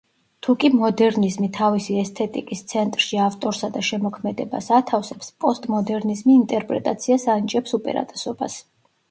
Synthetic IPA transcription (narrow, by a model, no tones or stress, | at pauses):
t̪ʰukʼimɔd̪ɛɾnizmit̪ʰavisiɛst̪ʰɛt̪ʼikʼist̪sʰɛnt̪ʼɾʃiaft̪ʼɔɾsad̪aʃɛmɔkʰmɛd̪ɛba̰sat̪ʰafsɛpspʼɔst̪ʼmɔd̪ɛɾnizmiːnt̪ʼɛɾpʼɾɛ̰t̪ʼat̪sʰiasanit͡ʃʼɛpsupʼɛ̰ɾa̰t̪ʼɛsɔba̰s